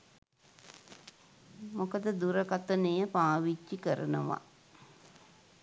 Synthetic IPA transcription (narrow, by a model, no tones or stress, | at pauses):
mokəd̪əd̪uɾəkat̪ənejəpaːʋit͡ʃːikəɾənəʋa̰